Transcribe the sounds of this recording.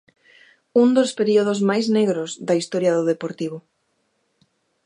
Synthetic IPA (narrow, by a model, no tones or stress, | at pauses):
und̪ospeɾioð̞ozmajzneɣɾozðɐist̪ɔɾjɐðoðepoɾt̪iβʊ